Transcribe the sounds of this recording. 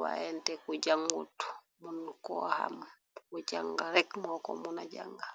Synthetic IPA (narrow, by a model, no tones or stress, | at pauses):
wa̰jɛntɛkud͡ʒaŋɡṵt | munkɔ̰ha̰m | kud͡ʒaŋɡaɾɛkmɔkɔ̰munaɟa̰ŋɡa